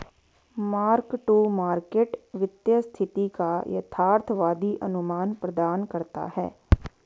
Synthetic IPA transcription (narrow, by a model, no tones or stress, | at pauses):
maːɾkʈumaːɾkeːʈʋɪt̪jəst̪ʰɪt̪ikajɐ̰t̪ʰaːɾt̪ʰʋaːd̪iʔɐnʊmaːnpɾɐd̪aːnkɐɾt̪a̰hɛ̰ː